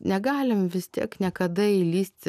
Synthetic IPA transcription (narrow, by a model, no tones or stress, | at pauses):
nʲɛɡɑːlʲɪmʋʲɪst̪ʲḭɛknʲɛkɐd̪ɐilʲiːsʲt̪ʲɪ